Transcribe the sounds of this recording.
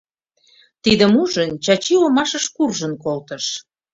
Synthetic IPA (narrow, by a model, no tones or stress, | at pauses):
t̪id̪ə̆muʒənt͡ɕɑt͡ɕiləmɑʃəʃkurʒənkolt̪əʃ